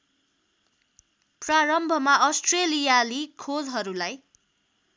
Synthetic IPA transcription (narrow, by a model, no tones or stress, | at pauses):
praɾʌmbʱʌmaʌsʈrelijalikʰolɦʌɾulaj